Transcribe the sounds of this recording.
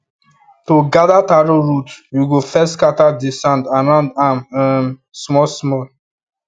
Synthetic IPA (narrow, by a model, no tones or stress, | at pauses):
toɡadataɾoɹutjuɡofɛstkatadisãntanãndammsmɔlsmɔl